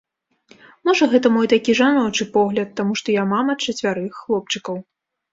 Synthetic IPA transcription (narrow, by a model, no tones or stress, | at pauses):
mɔʐɐɣɛt̪ɐmɔjt̪akʲiʐanɔt͡ʂɨpɔɣlʲɐt̪ːamuʂt̪ɔjamamɐt͡ʂɐt͡sʲvʲaɾɨxːlˠɔp̚t͡ʂɨkɐw